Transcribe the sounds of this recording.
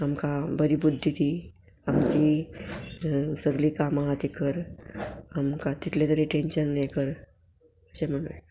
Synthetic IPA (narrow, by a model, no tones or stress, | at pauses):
amkabəɾiːbud̪ʱːit̪iː | amt͡ɕi | səɡliːkamaɦat̪ikəɾ | amkat̪it̪ʰljet̪əɾeʈenɕənːajkəɾ | əɕem̤əɽ̃un